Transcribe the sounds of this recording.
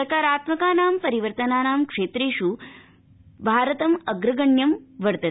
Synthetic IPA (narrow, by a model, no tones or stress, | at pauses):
kaːɾaːt̪mɐkaːnaːmpɐɾiʋəɾt̪ɐnaːnaːmkʂeːt̪ɾeːʃu | bʱaːɾɐt̪ɐmɐɡɾɐɡɐɳjɐmʋɐɾt̪ɐ